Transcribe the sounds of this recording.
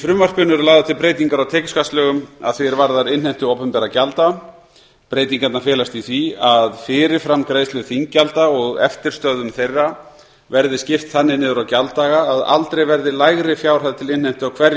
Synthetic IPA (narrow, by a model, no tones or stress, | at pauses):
fɾʏmvar̥pʏnʏɾlaːɣðat̪ʰɪlpɾeːjt̪iŋkaɾawt̪ʰɛːcɪskʰast̪lœɣʏma̰ðθeɾvaɾðaɾɪnh̪ajm̥t̪ʏowpɛmpɛɾacalt̪a | pɾeːjt̪iŋkat̪nafjɛːlast̪iθviaðfɪːɾɪ̥fɾamkɾaːjslʏθiŋkcːalt̪aɔɣɛ̰ft̪ɪɾ̥st̪œðʏmθejrːa | vɛɾðɪscɪft̪θanːɪnɪːðʏɾawcalt̪aːɣaːða̰lt̪ɾejvɛɾðɪlaːjɣɾɪfjaːwɾ̥haðt̪ʰɪlɪnajm̥t̪ʏawkʰvɛɾ